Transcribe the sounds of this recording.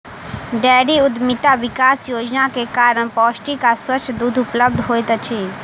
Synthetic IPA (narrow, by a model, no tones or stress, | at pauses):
ɖɛːɖiʊd̪mit̪aʋɪkaːsjoːd͡ʒnakekaːɾəɽ̃pɔːsʈikaswət͡ʃʰːd̪uːd̪ʱʊpləb̚d̪ʱɦoːjt̪t͡ʃʰi